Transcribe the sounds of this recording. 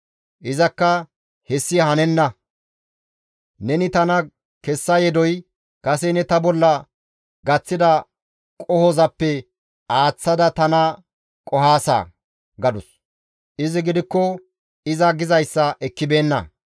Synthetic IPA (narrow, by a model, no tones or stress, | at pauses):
ʔɪzɐkːɐ | hɛsːɪhɐnɛnːɐ | nɛnɪt̪ɐnɐ | kɛsːɐjɛd̪ɔj | kɐs̬ɛnɛt̪ɐbɔlːɐ | ɡɐt͡sːɪd̪ɐ | kʼɔhɔzɐpːɛ | aːt͡sːɐd̪ɐt̪ɐnɐ | kʼɔɦaːsa̰ː | ɡɐd̪ʊs | ʔɪzɪɡɪd̪ɪkːɔ | ɪzɐɡɪzɐjsːɐʔɛkːɪbe̞ːnːɐ̰